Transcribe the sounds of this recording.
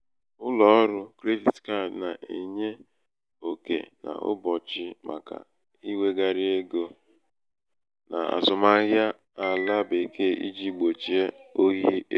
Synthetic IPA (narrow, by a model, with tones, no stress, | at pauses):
ʊ˦lɔ˨ɔ˦ɾʊ˦kɾe˦vi˨tka˦˨na˨ʔe˨ɲe˦ | o˨kḛ˨na̰˨ʊ̰˦bɔ˨t͡ʃɪ˦ma̰˨ka̰˨ | i˦we˦ɡa˨ɾi˦e˦ɡo˦ | na̰˨a̰˨zʊ˨ma˦ɣja˦ | a˨la˦be˨ke˦ḭ˦d͡ʒi˦ɡ͡bo˨t͡ʃi˨e˦o˦ɣi˦e˦